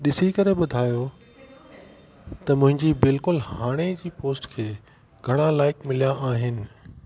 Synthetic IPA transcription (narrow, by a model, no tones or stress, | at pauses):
ɗɪsikɐɾeɓʊd̪ʱaːjo | t̪ɐmʊ̃ɦɪ̃ɲd͡ʑibɪlkʊlhaːɽ̃ed͡ʑiːpoːsʈkʰeː | ɡʱɐɽ̃ãlaːɪkmɪlijãʔaːɦɪnɪ̆